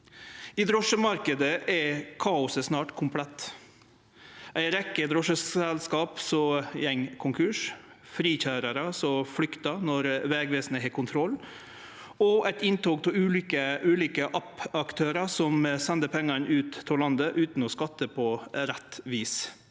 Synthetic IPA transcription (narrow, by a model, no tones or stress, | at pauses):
id̪ɾɔʂəmɑɾkəd̪əʔɛkʰɑːʊsəsnɑːʈkʰʊmpʰlɛt̪ː | ʔæɪɾɛkːəd̪ɾɔʂəsɛlskɑːpsɔjɛŋkʰʊŋkʰʉʂfɾiːçæːɾəɾɑsɔflʏkt̪ɑnɔɾʋɛɡʋeːsnəɦɛːkʰʊnt̪ʰɾɔlː | ɔʔæɪt̪ɪnt̪oːk̚t̪ʰɪlʉːlikəʉːliːkəʔɑpɑkt̪ʰøːɾɑsɔmsɛnd̪əpʰɛŋːɑɳʔʉːt̪ʰːɔlɑnd̪əʔʉːt̪n̩ɔskɑt̪ːəpʰɔɾɛt̪ːʋiːs